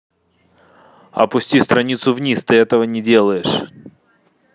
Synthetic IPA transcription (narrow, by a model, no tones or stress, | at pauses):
ɐ̰pʊsʲtʲist̪ɾɐnʲit̪sʊvnʲist̪ɨɛt̪əvənʲɪdʲe̞lˠəjɪʂ